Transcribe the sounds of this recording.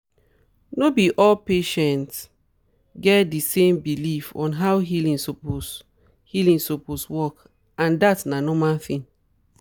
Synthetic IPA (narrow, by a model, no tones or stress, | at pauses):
nobiʔɔlpeʃɛ̃nt | ɡɛtdisẽmbilifɔ̰̃nɦawɦilĩŋsopos | hilĩŋsoposwɔk | ãndatnanɔmaθĩn